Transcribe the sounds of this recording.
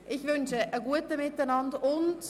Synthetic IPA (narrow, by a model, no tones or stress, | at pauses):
ʔɪçvʏnʃəʔəɡuətəmɪtanɑndʊnt